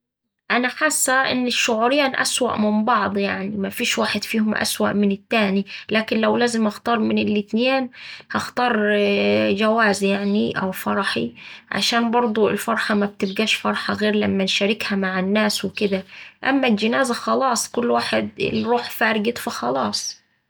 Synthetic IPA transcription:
ʔanaħasːaʔɪ̰nːɪʃːʊʕuːɾɪjaːnʔa̰swa̰ʔmɪmbɑʕd̪ˤjaʕnimafiːʃwaːħɪd̪fiːhʊmʔa̰swa̰ʔmɪnɪt̪ːaːnilaːkɪnlawlaːzɪmʔɑxt̪ɑːɾˤmɪnɪlːɪt̪neːnhɑxt̪ɑːɾˤ | d͡ʒawaːzjaʕniʔa̰wfɑɾˤɑħiʕa̰ʃaːnbɑɾˤd̪ˤʊɪ̰lfɑɾˤħɑmab̚t̪ɪbɡaːʃfɑɾˤħɑɣeːɾlamːanʃaɾɪkhamaʕɪnːaːswɪkɪd̪aʔamːald͡ʒɪnaːzaxɑlɑːsˤkʊlːwaːħɪd̪ɪ̰lɾuːħfaːɾɪɡɪt̪fɑxɑlɑːsˤ

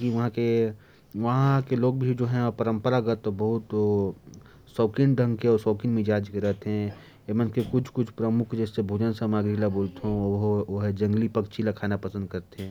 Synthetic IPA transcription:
kiʋɐɦãke | ʋɐɦãkeloːɡ̚bʱid͡ʒoːɦɛ̃pəɾə̃mpəɾaɡət̪ːobɐɦʊt̪ | sɔːkinɖʱə̃ŋɡkẽɔːɾsɔːkinmid͡ʒaːd͡ʒkəɾəɦt̪ɦɛ̃ | emənkekʊt͡ʃʰkʊt͡ʃʰpɾəmʊkʰd͡ʒɛːsːebʱuːd͡ʒənsamaːɡɾilaboːlt̪eɦõɦoɦd͡ʒɐ̃ŋɡlipɐkt͡ʃʰilakʰaːnapɐsə̃nd̪̚kɐɾt̪eɦɛ̃ː

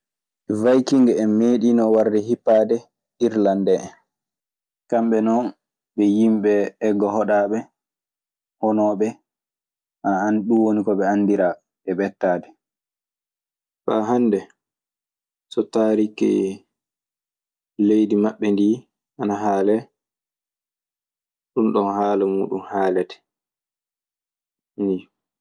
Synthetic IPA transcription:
vajkiŋɡɛɛmːeɗiːnɔwaɾdɛɦipːaːdɛ | iɾlandɛn | kamɓɛnɔn | ɓɛjimɓɛːɡːɔhɔɗaːɓɛ | hɔnɔːɓɛ | haanɗuwonikɔɓɛanːdiɾa | ɛbɛtːaːdɛ | ɓaɦanːdɛ | sɔtaːɾikɛ̰ | lejdimaɓːɛndiː | ʔanaɦaːlɛ | ɗunɗɔnhaːlamṵːɗunhaːlɛtɛ̥ | ni

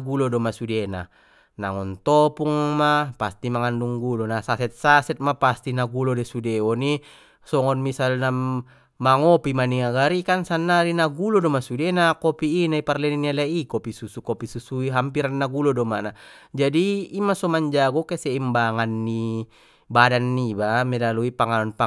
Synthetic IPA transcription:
ɡulodɔmasudena̰ | na̰ŋɔnt̪ɔpuŋmapast̪imaŋanduŋɡulonasasɛt̪̚sasɛt̪̚mapast̪inaɡulodesudeɔni | sɔŋɔnmisalna | maŋopimaniŋaɡaɾikansanːaɾinaɡulɔdɔmasudenakopiːnaiparlɛninialaʔikopisusukopisusuiɦampiɾanːaɡulodɔmanad͡ʒadiːmasɔmaɲd͡ʒaɡɔkesɛimbaŋanːi | badanːibamɛlaluipaŋanɔnpa

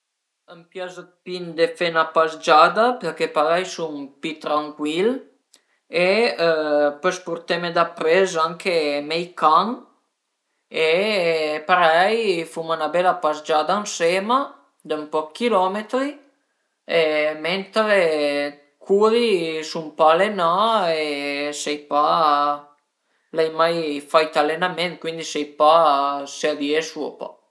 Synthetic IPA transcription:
əmpjazəpind̪efenapazd͡ʒad̪apeɾkepaɾɛjsumpit̪ɾaŋkwil | e | pøspuɾt̪emed̪apɾezaŋkʰemɛjkaŋ | e | paɾɛjfumunabɛlapazd͡ʒad̪aansema | d̪ampɔkːilɔmet̪ɾi | ement̪ɾe | kʰuːɾisumpalenaesɛjpa | lɛjmajfajt̪alenament̪̚kwind̪isɛjpasead̪iesuo̰pa̰

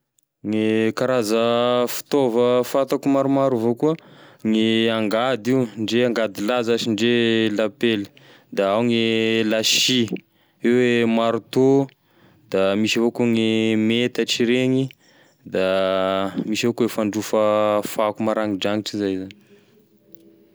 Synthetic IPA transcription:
ŋekaɾazəfi̥t̪ovəfat̪akumaɾumaɾuvokuəŋeaŋɡad̪iwnɖ͡ʐeaŋɡad̪ilazat͡ʃinɖ͡ʐelapelə̥ | d̪aawŋelaʃi | ewemaɾut̪o | d̪̥amisivokuŋimet̪əʈ͡ʂiɾeɲi | d̪a | misivokuefaɳɖ͡ʐufəfakumaɾaŋid͡ʒaŋiʈ͡ʂizajzani

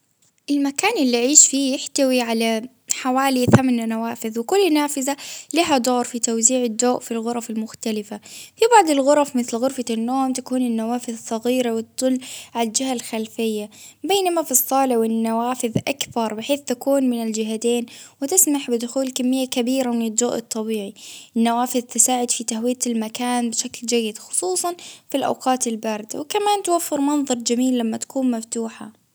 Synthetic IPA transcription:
ʔɪlmakaːnʔɪlːiʕiːʃfiːjɪħt̪awiʕala | ħawaːliθamannawaːfɪðwɪkʊlːnaːfɪzaliɦad̪oːɾˤfit̪awziːʕɪd̪ːoːʔfilɣʊɾˤɑfalmʊxt̪alɪfafibɑʕd̪ˤɪlɣʊɾˤɑfmɪθlɣʊɾfanːoːmt̪akuːnɪnːawaːfɪðsˤɑɣiːɾawɪt̪ːʊlːʕaad͡ʒɪɦalxalfɪjːabeːnamafisˤːɑːlɪwɪnːawaːfɪðʔakθɑɾˤbɪħeːθt̪akuːnmɪnɪld͡ʒɪɦat̪eːnwɪt̪ɪsmaħbɪd̪ʊxuːlkamːɪjːakabiːɾamɪnɪd̪ːoːʔɨt̪ˤːɑbiːʕiʔɪnːawaːfɪðt̪ɪsaːʕɪd̪fit̪ahwɪjat̪lmakaːnbɪʃakld͡ʒajːɪd̪xʊ̥sˤuːsˤɑnfilʔa̰wqɑːt̪ɪlbaːɾɪd̪a̰wɪkamaːnt̪awafːɪɾmɑnðˤɑɾˤd͡ʒamiːlːamːat̪ḁkuːnmaft̪uːħa

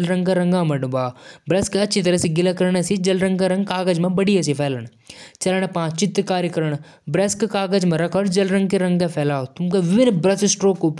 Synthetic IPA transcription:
lɾɐ̃ŋɡkɐɾɐ̃ŋɡãmɐɖubaːbɾeskɐtːʃʰit̪ɐɾəsiɡɪlɐkɐɾɳesid͡ʒɐlɾɐ̃ŋɡkaɾɐ̃ŋɡkaːɡəd͡ʒmẽbɐɽijɐsipʰɛːləɽ̃ | t͡ʃɐlɽ̃epãːt͡ʃɪt̪kaːɾjkɐɾəɽ̃ | bɾeskkaːɡəd͡ʒmẽɾɐkʰəɾd͡ʒɐlɾɐ̃ŋɡkeɾɐ̃ŋɡkepʰɛːlaːot̪ʊmkeʋɪʋɪnbɾɐsɪsʈɾoːkop

